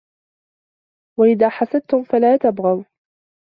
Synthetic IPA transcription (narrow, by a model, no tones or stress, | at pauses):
waʔɪðaːħasad̪̚t̪ʊmfalaːt̪abɣɑw